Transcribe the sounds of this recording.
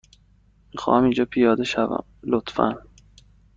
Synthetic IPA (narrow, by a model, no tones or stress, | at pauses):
mixɒ̰ːhæmind͡ʒɒːpʰijɒːd̪eʃævæ̰mlot̪fæ̰n